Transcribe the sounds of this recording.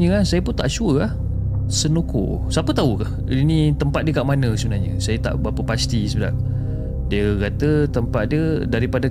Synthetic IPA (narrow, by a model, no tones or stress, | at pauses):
ɲəasajəpunt̪aʔsuəah | sənuko̰ | sapət̪aukah | init̪əmpat̪̚diəkaʔmanəsəbənaɦɲəsajat̪a̰ʔbapəpast̪isəbəda̰ʔ̚ | diəkat̪ət̪əmpat̪̚diədaɾipada